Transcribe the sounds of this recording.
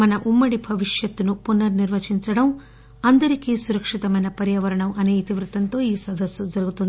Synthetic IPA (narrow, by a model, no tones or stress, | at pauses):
mɐnɐʔumːɐɽibʱɐʋiʂjɐt̪ːunupunːɐɾniɾʋɐt͡ʃiɲt͡ʃɐɽɐm | ɐnd̪ɐɾikiːsuɾɐkʂit̪ɐmɐjnɐpɐɾjɐːʋɐɾɐɳɐmʔɐneːjt̪iʋɾut̪ɐnt̪o̞ːiːsɐd̪ɐsjɐd͡ʒɐɾuɡut̪und̪i